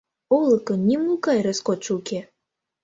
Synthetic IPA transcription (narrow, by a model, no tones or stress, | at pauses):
olˠɤ̆kɤ̆nnʲimnukɑjreskot͡ʃuke